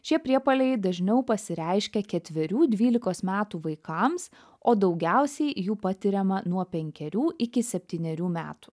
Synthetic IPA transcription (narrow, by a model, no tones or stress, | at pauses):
ʃʲiɛpʲɾʲiɛpɐlʲɛɪd̪ɐʒʲnʲɛʊpɐsʲɪɾʲɛɪʃʲkʲɛkʲɛt̪ʲʋʲɪɾʲuːd̪ʲʋʲiːlʲɪkoːsmʲæːt̪uːʋɐɪkɐms | oːd̪ɒʊɡʲæˑʊsʲɛɪjuːpɑt̪ʲɪɾʲɛmɐnuɔpʲɛŋʲkʲɛɾʲuːʔɪkʲɪsʲɛpʲt̪ʲiːnʲɛɾʲuːmʲæ̰ːt̪u̥